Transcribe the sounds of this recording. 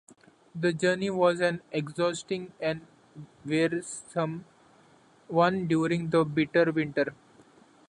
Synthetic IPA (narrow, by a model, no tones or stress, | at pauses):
d̪əd͡ʒəːɾniʋɔːzæ̃nekzɔːsʈɪ̃ŋɛ̃n | ʋeːɾssʌ̃m | ʋʌ̃nɖjuːɾɪ̃ŋɡd̪əbɪʈəɾʋɪ̃ɳʈəɾ